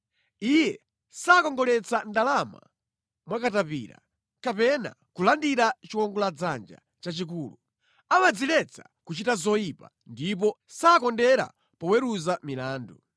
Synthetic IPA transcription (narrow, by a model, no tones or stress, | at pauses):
ijɛ | saːkɔŋɡɔlɛt͡sandalama̰ | mwakatapḭːɾa̰ | kapɛna̰ | kulandiɾat͡ʃiwɔŋɡɔlad͡zand͡ʒa̰ | t͡ʃat͡ʃik̬uːlu | amad͡zilɛt͡sa | kut͡ʃitazɔjipa̰ | ndip̬ɔsaːkɔndɛɾa̰ | pɔwɛɾuzamilaːndu